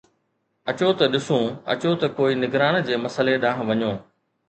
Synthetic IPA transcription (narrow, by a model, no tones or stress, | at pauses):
ɐt͡ɕot̪ɐɗɪsũːɐ̰t͡ɕot̪ɐkoːinɪɡɾaːnd͡ʑeːmɐsəleɗãːɦ̆ʋɐɲoː